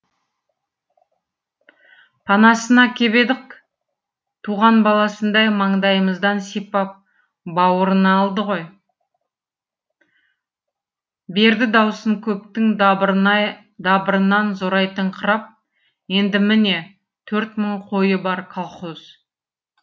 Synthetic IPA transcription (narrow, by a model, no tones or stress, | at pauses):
pʰɑnɑsənɑkʲʰe̞be̞d̪ɪk | t̪ʰuʁɑnbɑlˠɑsənd̪ɑjmɑɴd̪ɑjəməzd̪ɑnsepɑp̚ | bɑwəɾənɑːlˠd̪əʁo̞j | be̞ɾd̪ɪd̪ɑwsəŋkʲʰɵp̚t̪ɪŋ | d̪ɑbəɾənɑnzoɾɑjt̪əɴqʰəɾɑp̚ | je̞nd̪ɪmɪne̞ | t̪ʰɵɾt̪məɴqʰo̞jəbɑɾkʰɑlˠχoz̥